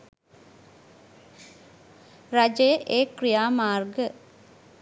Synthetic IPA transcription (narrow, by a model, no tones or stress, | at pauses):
rad͡ʒəjəʔeːkrijaːmaːrɡə